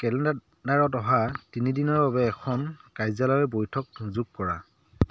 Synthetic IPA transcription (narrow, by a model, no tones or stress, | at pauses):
kɛlɛnda | daɹɔtɔɦatinidinɔɹbabɛːkʰɔnkajzalɔjɛbojtʰɔk̚zuɡ̚kɔɹa̰